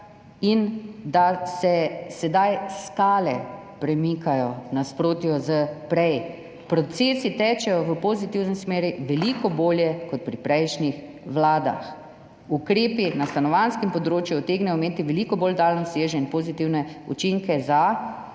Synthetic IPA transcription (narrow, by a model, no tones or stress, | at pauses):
ind̪asɛsɛd̪ajskaːlɛ̰ | pɾɛmikajɔnaspɾoːt̪jɔzəpɾɛj | pɾɔt̪seːsit̪ɛːt͡ʃɛjɔʋəpozit̪iwnɛsmeːɾiʋɛlikɔboːljɛkɔt̪̚pɾipɾɛjʃnix | ʋlaːd̪a̰x | ukɾeːpinast̪anɔʋanskɛmpɔd̪ɾoːt͡ʃjuɔt̪eːɡnɛjɔmeːt̪iʋɛlikɔboːld̪aːlnɔsjeːʒɛinpozit̪iwnɛṵt͡ʃiŋkɛza